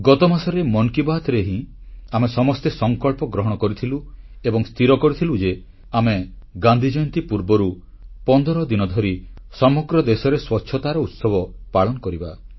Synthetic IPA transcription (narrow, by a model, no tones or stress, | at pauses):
ɡɔt̪ɔmasɔɾemɔnkibat̪ɾeɦĩ | amesɔmɔst̪esɔŋkɔɭpɔɡɾɔɦɔɽ̃ɔkɔɾit̪ʰilu | ebɔŋst̪ʰiɾɔkɔɾit̪ʰilud͡ʒe | ame | ɡãnd̪ʱid͡ʒɔjnt̪ipuɾbɔɾu | pɔnd̪ɔɾɔd̪inɔd̪ʱɔɾisɔmɔɡɾɔd̪esɔɾeswɔtːʃʰɔt̪aɾɔut̪sɔbʱɔpaɭɔnɔkɔɾiba